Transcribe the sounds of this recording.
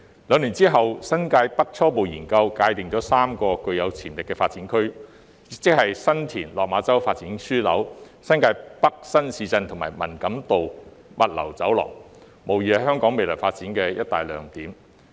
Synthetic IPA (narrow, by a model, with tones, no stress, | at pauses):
lœː˨˧ŋliː˨˩nt͡siː˥ɦɐ˨wsɐ˥nkaː˧jpɐ˥k̚t͡sʰɔː˥po˨wjiː˨˩nkɐ˧wkaː˧jt̪ɪ˨˩ŋt͡ʃɔː˨˥saː˥mkɔː˧kɵ˧ɥjɐ˨˧wt͡sʰiː˨˩nlɪ˨kːɛː˧faː˧t̚t͡siː˨˥nkʰɵ˥ɥ | jɪ˨k̚t͡sɪ˥k̚hɐ˨jsɐ˥nt̪ʰiː˨˩nlɔː˨k̚maː˨˧t͡sɐ˥wfaː˧t̚t͡siː˨˥nsyː˥lɐ̰˨˥w | sɐ˥nkaː˧jpɐ˥k̚sɐ˥nsiː˧t͡sɐ˧nt̪ʰʊ˨˩ŋma̰ː˨˩jmɐ̰˨˩nkɐ˨˥mt̪o˨wmɐ˨t̚lɐ̰˨˩wt͡sɐ˨˥wlɔ̰ː˨˩ŋ | mo˨˩wjiː˨˧hɐ˨˧hœː˥ŋkɔː˨˥ŋme˨jlɔː˨˩faː˧t̚t͡siː˨˥nkɛː˧jɐ˥t̚t̪a̰ː˨jlœː˨˧ŋt̪iː˨˥m